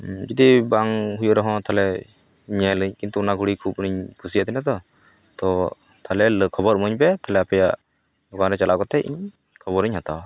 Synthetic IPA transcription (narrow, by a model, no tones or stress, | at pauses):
d͡ʒid̪ibaŋɦujɔʔɾɔɦɔ̃t̪ʰalɛ | ɲɛlɯɲkint̪uunaɡʱuɽikʰup̚niɲpʰusiaʔt̪inad̪ɔ | t̪ɔ | t̪ʰalɛləkʰɔbɔɾmɔɲpɛt̪ʰalɛapɛja̰ʔ | lɔɡanɾɛt͡ʃalʔaʔkɔt̪ɛḭɲ | kʰɔbɔɾɨɲhat̪aw